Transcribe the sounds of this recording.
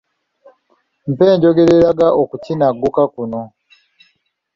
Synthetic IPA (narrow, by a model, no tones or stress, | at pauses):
m̩pe̞ːɲɟo̞ɡe̞ɾe̞ɾaɡaʔokucinaɡːukakuno